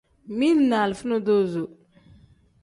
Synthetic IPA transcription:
mi˦lna˨lfu˦no˦do˦zo˨

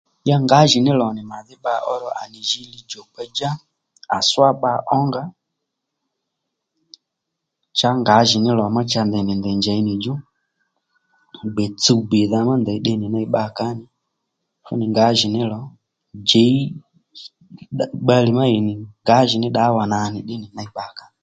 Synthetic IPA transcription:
ja˦ŋɡa˨˦ʒi˨nɪ˦lɔ˨nɪ˨ma˨ðɪ˦ɓa˧˦ʔɔ˦ɾɔ˨ʔa̰˨ni˨ʒi˧li˦d͡ʒɔ˨pɛ˧d͡ʒa˦ | a˨swa˦ɓa˧˨ʔɔ˦ŋɡa˦ | t͡ʃa˦ŋɡa˨˦ʒi˨nɪ˦lɔ˨ma˦t͡ʃa˧nd̪ɛ˨nɪ˨ndɛ˨nd͡ʒa˨i˦ni˨d͡ʒu˦ | ɡ͡bɛ˨t͡su˦be˨ða˧ma˦nd̪ɛ˨i˦ɗɛ˦ni˨na˦i˦ɓa˦˨ka˦nɪ˦ | fṵ˦nɪ˨ŋɡa˨˦ʒi˨nɪ˦lɔ˨˦ | d͡ʒɛ˨˦i˦ | ɗɓa˦li˨ma˦i˨nɪ˨ŋɡa˨˦ʒi˨nɪ˦ɗa˦wa˨na˨nɪ˨ɗɛ˦ni˨na˦i˨ɓa˨ka˨˦ni˨

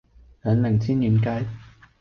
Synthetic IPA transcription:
lœː˨˧nlɪ˨˩ŋt͡sʰiː˥njyː˨˧˩nkaː˧˥j

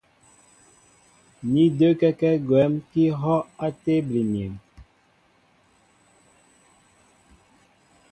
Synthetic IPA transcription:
ni˦dø˦kɛ˦kɛ˦ɡwɛ˨˦mki˦ɦɔ˦a˦te˦bli˨mi˨m

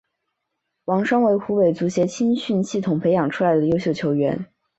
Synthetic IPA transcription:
wɑ˧˥ŋʂɑ˥ŋwe˧˥ɪxu˧˥pe˨˧˩ɪt͡su˧˥ɕjɛ˧˥t͡ɕʰi˥nɕy˥˧nɕi˥˩t̪ʰʊ˨˩ŋpʰe˧˥ɪjɑ˨˩ŋʈ͡ʂʰu˥la˧˥ɪd̪ə˧jo˥ʊɕjo˥˩ʊt͡ɕʰjo˧˥ʊɥɛ̰˧˥n

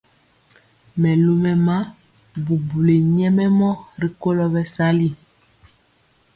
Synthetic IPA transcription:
mɛ˨lo˦mɛ˨ma˦ | bu˨bu˨le˨ɲɛ˦mɛ˦mɔ˦ɾi˨ko˦lɔ˦bɛ˨sa˦li˦

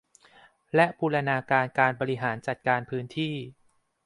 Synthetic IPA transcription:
lɛ˦˥ʔpʰuː˧la˧naː˧kaː˧nkaː˧nbɔː˧ɾi˦˥ɦaː˩˦nt͡ɕa˨˩t̪̚kaː˧npʰɯː˦˥nt̪ʰiː˥˩

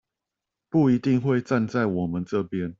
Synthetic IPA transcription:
pu˥˩i˨˦t̪i˥˧ŋxwe˥˧ɪt͡sa˥˧nt͡sa˥˩ɪwɔ˨˩mə˨˦nʈ͡ʂɤ˥˨pjɛ˦n

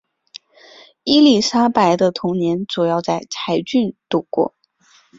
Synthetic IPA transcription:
i˥li˥˩ʂa˥pa˧˥ɪd̪ə˧t̪ʰʊ˧˥ŋnjɛ˧˥nt͡su˨˩jɑ˥˧ʊt͡sa˥˩ɪt͡sʰa˧˥ɪt͡ɕy˥˧nt̪u˥˩kwɔ̰˥˩

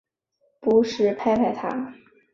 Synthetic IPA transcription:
pu˧˥ʂɻ̩˥˩pʰa˥˧ɪpʰa˥˩ɪt̪ʰa̰˧˥

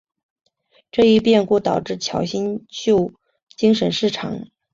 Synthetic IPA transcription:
ʈ͡ʂɤ˥˧i˥˧pjɛ˥˧nku˥˩t̪ɑ˨˩ʊʈ͡ʂɻ̩˥˩t͡ɕʰjɑ˨˥ʊɕi˥nt͡ɕjo˥˧ʊ | t͡ɕi˥ŋʂə˧˥nʂɻ̩˥˩ʈ͡ʂʰɑ̰˨˩˦ŋ

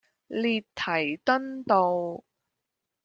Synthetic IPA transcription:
liː˨tt̪ʰːɐ˨˩jt̪ɐ˥nt̪o˨˧w

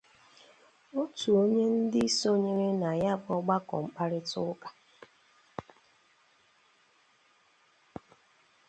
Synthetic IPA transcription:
o˦tu˨o˦ɲe˦n̩˦dɪ˦i˦so˦ɲe˦ɾe˦na˨ja˦˨bɔ˦ɡ͡ba˦kɔ̰˨ŋ͡m̩˨k͡pa˦ɾɪ˦tʊ˦kḁ˨

